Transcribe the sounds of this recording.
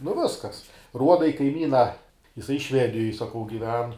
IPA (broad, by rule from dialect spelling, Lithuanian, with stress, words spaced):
nʊ ˈʋʲɪskɐs ˈruɔdɐ ɪ kɐɪˈmʲiːnɐ jɪˈsɐɪ ˈʃʲʋʲæːdʲɪjoːj sɐˈkɐʊ ɡʲɪˈʋʲɛn